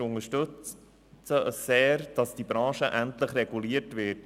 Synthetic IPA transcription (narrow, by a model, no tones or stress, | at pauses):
ʊŋəʃtɵt͡s | t͡səəsːɛːɾd̥ɑsd̥ibɾɑ̃ːʃəʔæntləχrɛɡuliːətvɪt